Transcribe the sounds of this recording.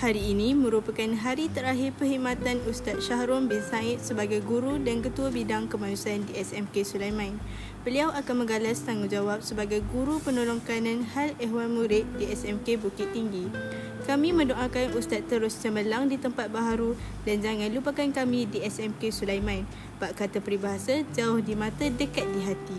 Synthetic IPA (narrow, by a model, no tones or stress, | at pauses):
haɾiːnĩmə̃ɾupakanɦaɾit̪əɾaɦɪrpəɦimat̪anust̪at̪̚ʃaɦɾɔmbɪnsaɪt̪̚səbaɡajɡuɾudankət̪uabidaŋkəmanusaandiɛsɛmkesulajmãin | b̥əliawʔakanmə̃ŋɡalast̪aŋud͡ʒawap̚səbaɡajɡuɾupənolɔŋkanãnhalɛɦwanmuɾɪʔ̚diɛsɛmkebukɪt̪ːiŋɡi | kamĩmə̃ndoʔakanust̪at̪ːəɾʊst͡ʃəməlaŋdit̪əmpat̪̚baɦaɾu | dand͡ʒaŋãnlupəkankamĩdiɛsɛmkesulajmãin | baʔkat̪əpəɾibaɦasad͡ʒaʊhdimãt̪adəkat̪̚diɦat̪i